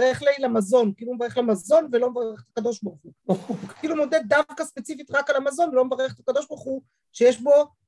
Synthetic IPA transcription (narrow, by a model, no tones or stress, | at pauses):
ʁeχlajlamazo̞nkiːlumevaʁeχlemazo̞nvelo̞mevaʁeeχetakad̪o̞ʃbaʁχukiːlumo̞dedavkaspet͡sifitʁakalamazo̞nvlo̞mevaʁeχetakad̪o̞ʃbaʁχu | ʃejeʃbo̞